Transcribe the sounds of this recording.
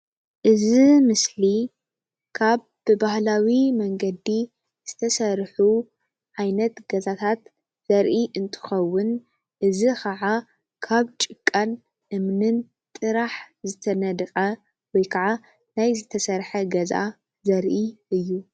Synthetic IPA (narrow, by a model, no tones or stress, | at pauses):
ʔɨzimɨsli | kʰaβ | bɨbahlawimɐŋɡɐd̪i | z̥ɨt̪ʰɐsɐɾħu | ʕajnɐt̪ɡ̥ɐzat̪ʰat̪ | z̥ɐɾʔiʔɨnt̪ʰɨ̥xɐwːʊn | ʔɨzixʰɐʕa | kʰaβt͡ʃʼɨkʼːan | ʔɨmnɨn | t̪ʼɨɾaħzɨt̪ʰɐnɐd̪xʼɐ | wɔjkʰaʕa | najzɨt̪ʰɐsɐɾħɐɡɐzʔa̰ | zɐɾʔiʔɨjːu